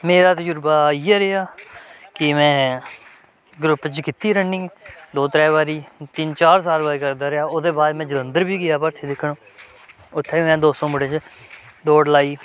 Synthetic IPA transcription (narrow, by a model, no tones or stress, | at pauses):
meːɾaːt̪əd͡ʒʊɾbaːiːɛːɾeːaːkɪmɛ̃ː | ɡɾʊpːt͡ʃkɪt̪iːɾənĩːd̪oːt̪ɾɛːʋaːɾiːt̪ɪnt͡ʃaːɾsaːlbaːɾiːkəɾd̪aːɾejaːoːd̪eːbaːd̪mɛ̃ːd͡ʒələnd̪əɾbiːɡɪjaːpəɾt̪ʰeːd̪ɪkʰːɳõː | ʊt̪ʰːeːiːmɛ̃ːd̪oːsõːmʊɽẽt͡ʃ | d̪oːɖlaːiː